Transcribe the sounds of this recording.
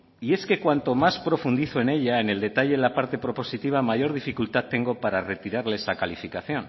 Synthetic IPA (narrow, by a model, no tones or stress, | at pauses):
ie̞ske̞kwant̪o̞maspɾo̞fund̪iθoe̞ne̞ʎaene̞ld̪e̞t̪aʎe̞ðelapaɾt̪e̞pɾo̞po̞sit̪iβ̞amaʝo̞ɾð̞ifikult̪at̪ːe̞ŋɡo̞paɾare̞t̪iɾaɾleesakalifikaθjo̞n